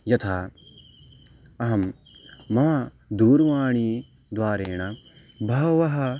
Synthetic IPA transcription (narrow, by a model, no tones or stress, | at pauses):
jɐt̪ʰaː | ɐɦɐmː | ɐʋa | d̪uːɾʋaːɳ̃i | d̪ʋaːɾeːɳ̃ɐ | bʱɐʋɐɦɐ